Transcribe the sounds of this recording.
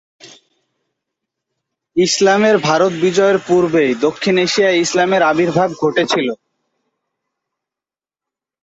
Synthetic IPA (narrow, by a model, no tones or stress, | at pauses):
islameɾbʱaɾot̪̚bid͡ʑɔeɾpuɾbed̪okʰːineʃijaislameɾabiɾbʱab̚ɡʱoʈet͡ɕʰilo